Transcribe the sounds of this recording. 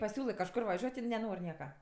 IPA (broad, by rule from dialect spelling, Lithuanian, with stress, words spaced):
pɐˈsʲuːlˠɜ kɐʃˈkʊr ʋɐˈʒʲuɔtʲ ˈɪn nʲɛˈnoːrʲ ˈnʲiɛkɐ